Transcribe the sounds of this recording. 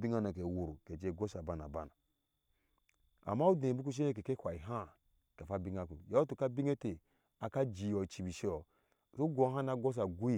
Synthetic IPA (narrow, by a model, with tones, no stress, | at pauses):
bi˦ŋa˦na˨k̬e˨wu˨ɾu˨ke˨d͡ʒe˦˨ɡo˦sa˨ba˦na˨ba˦na˨ | a̰˨ma˦u˦dẽ˨bu˦k̬u˦ʃ̬e˦e˦k̬e˨ke˦kʷa˨i˨ɦa˦ | ke˨fa˦bi˦ŋa˦kṵ˨ja˦tu˨ka˦bi˦ŋe˦te˨ | a˨ka˦d͡ʒi˨o˨t͡ʃi˨bi˨ʃe˦ɔ˨ | su˦ɡo˨˦ɦa˦na˦ɡo˦s̬a˨ɡu˦i˦˨